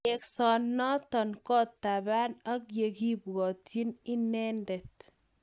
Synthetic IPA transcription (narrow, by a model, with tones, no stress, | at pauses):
ɛksɔ˨nːɔ˦tɔ˨nkɔ˦tːaba˦na˦kje˨ki˦bɣɔ˨ti˦ni˦nɛ˦ndɛ˨t